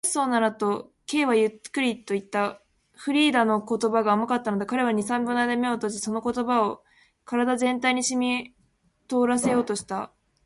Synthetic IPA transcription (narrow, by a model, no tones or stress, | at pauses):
so̞ːnaɾat̪o̞ke̞ːβajɯkkːɯ̟ɾʲit̪ːo̞it̪ːa | ɸɯ̟ɾʲiːd̪ano̞ko̞t̪o̞baɡaːmakat̪ːano̞d̪e̞kaɾe̞β̞aɲ̟isãmbʲɯ̟nːaid̪ame̞ot̪oɕiso̞no̞ko̞t̪o̞bao̞ | kaɾad̪azẽ̞nt̪aiɲ̟iɕimʲi | t̪o̞ːɾase̞jo̞ːt̪o̞ɕi̥t̪a